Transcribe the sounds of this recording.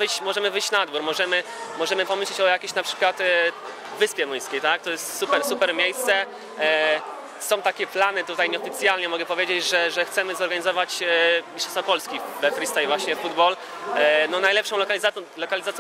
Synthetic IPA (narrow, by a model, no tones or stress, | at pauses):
vɘt͡ɕmɔʐɛmɘvɘjɕt͡ɕnaad̪buɾmɔʐɛmɘ | mɔʐɛmɘpɔmɘɕlit͡ɕɔjakʲeɕnapʂɘ̥kwat̪ | vɘspʲjɛmujskʲejt̪ak̚t̪ɔjɛst̪supɛɾsupɛɾmʲjejst̪sɛ | sɔ̃w̃t̪akʲɛplanɘt̪ut̪ajɲɛɔfʲit̪sʲjalɲɛmɔɡɛpɔvʲjed͡ʑed͡ʑʐɛʐɛxt̪sɛmɘzɔɾɡaɲizɔvat͡ɕmʲiʂãjst̪fɔpɔlskʲibɛt̪ɾist̪ajvwaɕɲɛfud̪bɔl | nɔnajlɛpʂɔ̃w̃lɔkalʲizalɔkalʲizat̪sʲj